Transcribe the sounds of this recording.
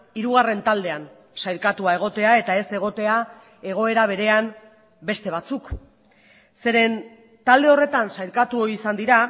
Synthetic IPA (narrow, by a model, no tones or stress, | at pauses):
iɾuɣ̞are̞nt̪ald̪e̞an | sajɾkat̪uae̞ɣ̞o̞t̪e̞ae̞t̪ae̞se̞ɣ̞o̞t̪e̞a | e̞ɣ̞o̞e̞ɾaβ̞e̞ɾe̞am | be̞st̪e̞β̞at͡suk | se̞ɾe̞n | t̪ald̪e̞o̞re̞t̪ansajɾkat̪uoisand̪iɾa